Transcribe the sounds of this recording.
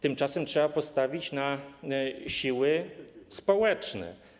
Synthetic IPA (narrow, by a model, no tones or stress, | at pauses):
t̪ɘmt͡ʂasɛmtʂɛbapɔst̪avʲit͡ɕna | ɕiwɘspɔwɛt͡ʂnɛ̰